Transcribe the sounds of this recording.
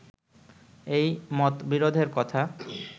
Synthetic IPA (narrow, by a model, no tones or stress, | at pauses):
ejmɔt̪biɾod̪ʱeɾkɔt̪ʰa